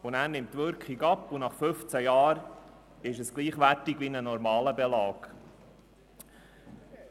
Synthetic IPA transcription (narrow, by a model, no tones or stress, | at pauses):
ʊnæːɾnɪmtːʋʏɾkχiɡɑpːʊnɑχfɵft͡sæjɑːɾ | ɪʃəsɡ̥liːχʋætɪɡʋinənɔɾmɑːləbɛlɑːɡ